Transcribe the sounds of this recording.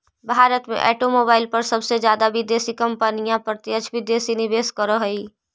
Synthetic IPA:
bʱaːɾət̪mḛ̃ʔɛ̰ːʈomoːbaːɪlpɐɾsɐbsed͡ʒjaːd̪abʱid̪eːsikɐ̃mpənijãpɾət̪ɪət͡ʃʰbʱid̪eːsinɪʋeːskəɾoɦɐi

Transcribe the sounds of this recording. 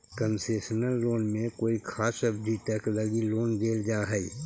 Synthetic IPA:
kənseːʃənəlːoːnmẽkoːikʰaːsɐbd͡ʒiʈɛːklɔːɡiloːnd͡ʒeːld͡ʒaːɦɛi

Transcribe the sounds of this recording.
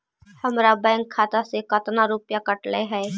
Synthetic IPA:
həmɾabɛ̃ːŋɡkʰːaːt̪asekət̪naɾupjakəʈleɦɛː

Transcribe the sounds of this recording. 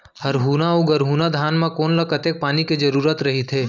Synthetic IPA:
hɐɾɦuːnaoɡɐɾɦuːnad̪ʱaːnmãkoːnlɐkɐt̪eːk̚paːniked͡ʒɐɾuːɾət̪ɾɐɦit̪ʰeː

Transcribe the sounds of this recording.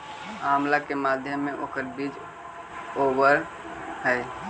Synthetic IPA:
aːmlakemaːd̪ʱjəmːẽʔoːkəɾbiːd͡ʒ | oːbəɾ | ɦɛː

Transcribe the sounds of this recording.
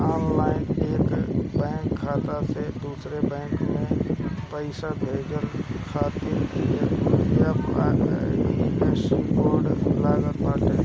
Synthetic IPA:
aːnlaːɪneːkbɛ̃ːŋkʰːaːt̪ased̪uːsɾebɛ̃ːŋkmẽpəɪsabʱeːd͡ʒəlkʰaːt̪iɾiejab | ɪmeʈənboːɾɖlaːɡəɾpaːʈe

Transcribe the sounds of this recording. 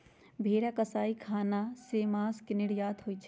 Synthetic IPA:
bʱeːɾakɐsaːikʰaːnasemaːskenɪɽjaːd̪ɦoit͡ʃʰ

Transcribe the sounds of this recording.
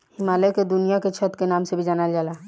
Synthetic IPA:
hɪmaːleked̪ʊnijaket͡ʃʰət̪kenaːmsebʱid͡ʒaːnad͡ʒaːlaː

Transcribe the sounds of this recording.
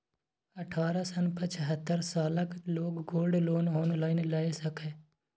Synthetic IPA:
əʈʰaːɾasənpət͡ʃʰəɦət̪ːəɾsaːləkloːɡːoːlɖloːnɦoːnlaːɪnlaːesəkeː

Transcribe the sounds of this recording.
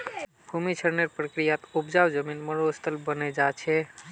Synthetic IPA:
bʱumit͡ʃʰəɾneɾpɾəkɾijat̪upd͡ʒawd͡ʒəminməɾost̪əlbəned͡ʒat͡ʃʰɛ

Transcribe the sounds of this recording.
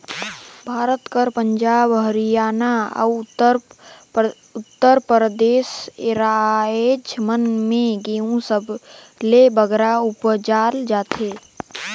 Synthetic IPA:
bʱaːɾət̪kəɾpə̃ɲd͡ʒaːbɦəɾijaːnaə̰ | ʊt̪ːəɾpɾəd̪eːsɪɾaed͡ʒmənmẽɡeũsəb | lebəɡɾaʊpd͡ʒaːld͡ʒaːt̪ʰeː

